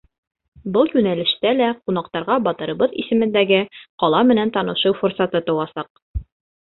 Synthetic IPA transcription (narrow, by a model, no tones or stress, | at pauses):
bɤlˠjʉnælɘ̆ʃt̪ælæqun̪ɑqt̪ɑɾʁɑbɒt̪ɤ̆ɾɤ̆bɤðḭsɘ̆mɘ̆nd̪æɡɘqɒlˠɑmɘ̆nænt̪ɒnɤ̆ʃɤwfuɾsɑt̪ɤt̪ɤ̆wɑsɑq̚